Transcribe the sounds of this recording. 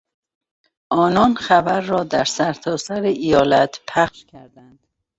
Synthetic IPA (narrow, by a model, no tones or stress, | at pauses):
ʔɒːnɒːnxæbæɾːɒːd̪æɾsæɾt̪ʰɒːsæɾeʔijɒːlæt̪ʰpʰæxʃkʲʰæɾd̪ænd̪̥